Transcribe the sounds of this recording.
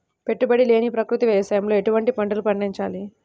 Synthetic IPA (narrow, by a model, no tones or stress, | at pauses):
pe̞ʈːubɐɽile̞ːnipɾɐkɾut̪iʋɛːjɐsɐjɐmlo̞ːe̞ʈuʋɐɳʈipɐɳɖɐlupɐɳːiɲt͡ʃaːli